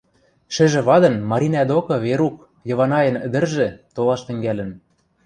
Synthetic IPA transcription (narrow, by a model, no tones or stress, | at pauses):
ʃɘ̆ʒĕβɑd̪ɤ̆nmɑɾʲinæd̪okɤ̆βeɾuk | jɤ̆βɑnɑjɤ̆nɘ̆d̪ɘ̆rʒĕt̪olɑʃt̪ɘ̆ŋɡælɘ̆n